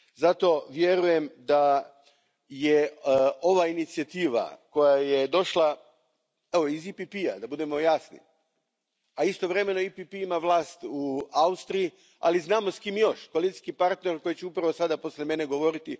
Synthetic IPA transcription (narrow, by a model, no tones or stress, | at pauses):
zat̪o̞ʋjeɾuje̞md̪a | jeo̞ʋainit̪siat̪iːʋa̰ko̞jajed̪o̞ʃlˠa | eʋoizipipia̰d̪abud̪e̞mo̞jasnḭ | aist̪o̞ʋɾe̞me̞no̞ipipiimaʋlˠaːst̪uaust̪ɾiji | a̰liznaːmo̞skimjo̞ʃkoalit̪i̥skipaɾt̪neɾko̞jit͡ɕeupɾaʋosad̪apo̞slʲeme̞ne̞ɡo̞ʋo̞ɾit̪i